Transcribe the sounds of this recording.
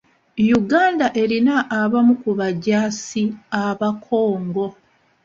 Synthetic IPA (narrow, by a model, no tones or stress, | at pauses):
juɡaːndaʔe̞ɾinaʔːβamukuβaɟaːsiaβakʰo̞ːŋɡo̞